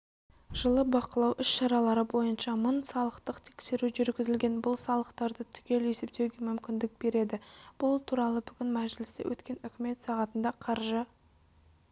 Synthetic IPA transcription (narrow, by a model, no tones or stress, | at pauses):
ʒəlˠəbɑqəlˠɑwʔʏsʃɑɾɑlˠɑɾəbo̞jənʃɑmənsɑlˠəqt̪əqt̪ʰe̞̥kse̞ɾuʒʏɾɡʲɪzɪlɡʲe̞nbʊlˠsɑlˠəqt̪ɑɾd̪ət̪ʰʏ̥ɡʲe̞le̞se̞p̚t̪e̞wɡʲe̞mʏmkʲɪnd̪ɪk̚b̥e̞ɾe̞d̪ɪb̥ʊlˠt̪ʰuɾɑlˠəbʏɡʲɪnmæʒɪlɪst̪ɪ̰wʔɵ̰t̪kʲe̞nʏkʲɪme̞t̪sɑʁɑt̪ənd̪ɑqʰɑɾʒə